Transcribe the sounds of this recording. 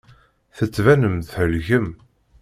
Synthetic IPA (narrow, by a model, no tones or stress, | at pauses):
θət͡sːvænəmθhəlʝəm